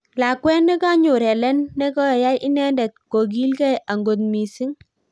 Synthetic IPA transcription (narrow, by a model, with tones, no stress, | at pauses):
la˨kwɛ˦nːɛ˦ka˦ɲo˨ɾɛ˨lɛ˦nːɛ˦kɔ˦˨ja˦jʔɪ˦nɛ˦ndɛ˨t̪̚ko˨ɡ̬i˦lkɛ˦jʔa˨ŋɡo˨t̪̚mi˨si˦ŋ